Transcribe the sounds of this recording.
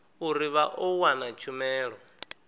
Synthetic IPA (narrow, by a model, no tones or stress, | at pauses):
uɾiβaʔɔwanat͡ʃʰumɛːɺɔ